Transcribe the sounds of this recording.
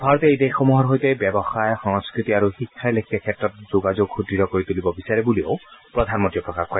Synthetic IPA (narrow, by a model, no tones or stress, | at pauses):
bʱaɹɔt̪eejd̪exomuɦɔɹɦojtebjɛbɔxajxɔŋskɹit̪iaɹuxikʰːalekʰːɔkʰɛtɹɔt̚zoɡad͡ʒoɡxudiɾɔkoɹit̪ulibɔbisaɹɛbuliopɹɔd̪ʱanmɔtiɔpɹɔkaxkʰɔ